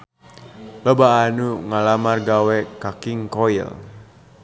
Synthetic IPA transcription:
lobaːnuŋalamarɡawɛkakiŋkoḭl

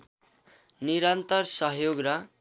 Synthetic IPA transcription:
niɾant̪ʌrsʌɦjoɡrʌ

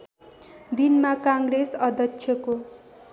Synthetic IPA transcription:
d̪inmakãŋɡresʌd̪ʱʌksʰjʌko

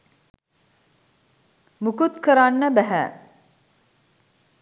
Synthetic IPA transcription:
mukut̪kəɾanːəbæɦæ̰

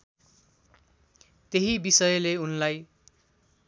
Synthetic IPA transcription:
t̪eɦibisʌjʌleunlaj

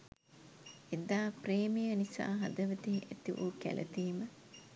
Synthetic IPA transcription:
ed̪aːpreːmijənisa̰ːɦɐd̪əʋət̪iɦʔæt̪iʋṵkæ̰lʔə̰t̪iːmə

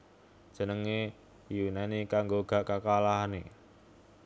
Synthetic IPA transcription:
d̥ʒ̥ə̤nəŋe | junanikaŋɡoɡ̥a̤kakalaɦanḛ

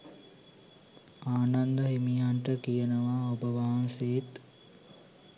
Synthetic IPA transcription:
aːnand̪əɦimijaɳʈəkijənəʋaobəʋaɦanseet̪

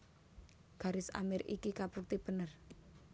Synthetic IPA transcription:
ɡ̥a̤ɾɪsa̰mɪɾikikapurt̪ib̥ə̤nər

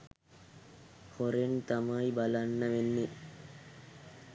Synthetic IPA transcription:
hoɾent̪amaibalanːɐʋenːe

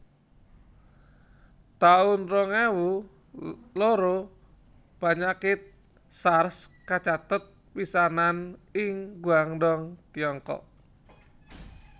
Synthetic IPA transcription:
t̪aʊnrɔŋewu | loɾo | paɲakɪt̪̚ | sarskat͡ʃat̪ət̪̚pisananɪŋɡuaŋdɔŋt̪iɔŋkɔ̰ʔ

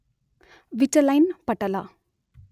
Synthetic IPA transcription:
ʋit͡ʃɐlɐjnpɐʈɐla

